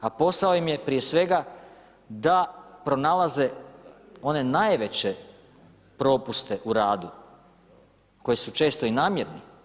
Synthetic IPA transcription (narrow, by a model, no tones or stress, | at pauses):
apo̞saoimje̞pɾije̞sʋe̞ɡa | d̪apɾo̞nalˠaze̞ | o̞ne̞najʋe̞t͡ɕe̞ | pɾo̞ːpust̪e̞ʔuɾaːd̪u | ko̞jisut͡ʃe̞ːst̪o̞inaːmjeɾni